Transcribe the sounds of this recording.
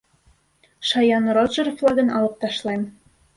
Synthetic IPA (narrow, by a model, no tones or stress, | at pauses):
ʃɑjɑnroʒərflˠɑɣɤ̆nɑlɤ̆q̚t̪ɑʃlˠɑm